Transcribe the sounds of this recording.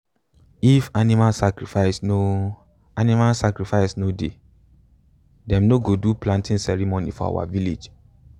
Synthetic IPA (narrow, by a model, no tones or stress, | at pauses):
ifanimalsakɹifaɪsno | animalsakɹifaɪsnode | dɛ̃mnoɡoduplãntʰĩnsɛɹimonḭfɔa̰wa̰viled͡ʒ